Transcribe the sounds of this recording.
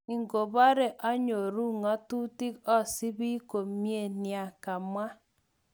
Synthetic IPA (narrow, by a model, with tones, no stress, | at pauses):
i˨ŋ˦ɡo˨ba˦ɾe˨ʔɔ˦ɲo˨ɾu˦ŋɔ˦tu˦ti˦kɔ˦˨si˦bi˦ko˨mje˦˨ni˨a˨ka˨ma˦